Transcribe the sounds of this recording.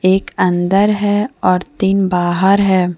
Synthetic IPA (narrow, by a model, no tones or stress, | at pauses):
eːkɐ̃nd̪əɾɦɛɔːɾt̪iːnbaːɦəɾɦɛː